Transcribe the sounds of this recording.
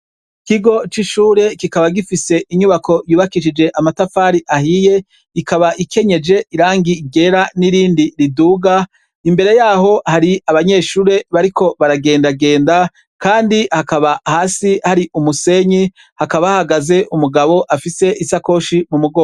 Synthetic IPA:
kiɡo̞t͡ʃiʃuːɾe̞kikaβaɡifise̞ʔiɲuβakʰo̞juːβakiʃid͡ʒe̞ʔamatafaːɾiʔahije̞ | ikʰaβaʔikʰe̞ɲe̞d͡ʒe̞ʔiɾaːŋɡiɡe̞ɾaniɾiːndiɾiduːɡa | imbe̞ɾe̞jaːɦo̞haɾiaβaɲe̞ːʃuːɾe̞βaɾiko̞βaɾaɡe̞ːndaɡe̞ːnda | kaːndihakaβahaːsihaɾiʔumuse̞ɲi | hakaβahaɡaze̞ʔumuɡaβo̞ʔafise̞ʔisako̞ːʃimumuɡoː

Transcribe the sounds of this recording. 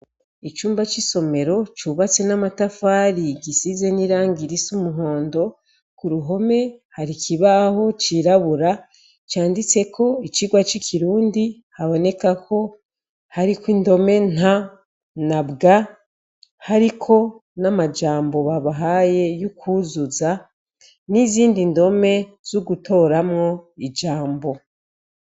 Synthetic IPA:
it͡ʃuːmbat͡ʃiso̞me̞ɾo̞t͡ʃuβat͡se̞namatafaːɾiɡisize̞niɾaːŋɡiɾisumuɦo̞ːndo̞ | kuɾuɦo̞me̞haɾikiβaho̞t͡ʃiɾaβuɾa | t͡ʃaːndit͡se̞kʰo̞it͡ʃiɡwat͡ʃikʰiɾuːndi | haβo̞ne̞kakʰo̞ | haɾikwindo̞me̞n̥ha | nabɡa | haɾikʰo̞namad͡ʒaːmbo̞βaβaɦaje̞jukʰuzuza | niziːndindo̞me̞ | z̥uɡutʰo̞ɾamŋo̞id͡ʒaːmbo̞

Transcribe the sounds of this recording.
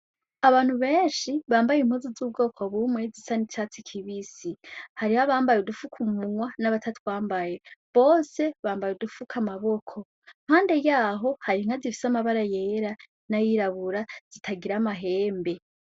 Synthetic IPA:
aβaːn̥huβe̞ːnʃiβaːmbajim̥huzozuːb̚ɡo̞ːkʰo̞βumwe̞zisanit͡ʃat͡sikʰiβisihaɾihaβaːmbajodufukʰumuŋwanaβatʰatʰwaːmbaje̞βo̞ːse̞βaːmbajudufukʰamaβo̞kʰo̞ | m̥haːnde̞jaːɦo̞haɾiiŋ̥azifi̥samaβaɾaje̞ɾa | najiɾaβuɾaz̥itʰaɡiɾamaɦe̞ːmbe̞

